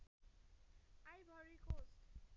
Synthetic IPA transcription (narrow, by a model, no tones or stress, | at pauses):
ajbʱʌɾikosʈ